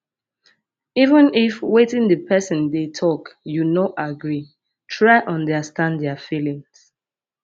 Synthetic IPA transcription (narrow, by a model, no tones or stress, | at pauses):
ivə̃nifwetĩŋdəpʰɛsə̃ndetʰɔkjunɔtaɡɹi | tʰɹaɪʔɔ̃ndəstãnddɛəfilĩŋs